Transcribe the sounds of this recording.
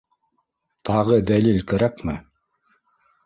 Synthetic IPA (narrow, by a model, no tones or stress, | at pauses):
t̪ʰɑʁɤd̪ælilkæɾækmɘ